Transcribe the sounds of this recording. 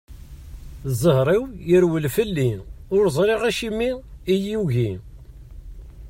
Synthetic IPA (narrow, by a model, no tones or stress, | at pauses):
zˤəhɾˤiwjəɾwəlfəlːinʊɾzˤɾˤiʁæʃimiijiuʝin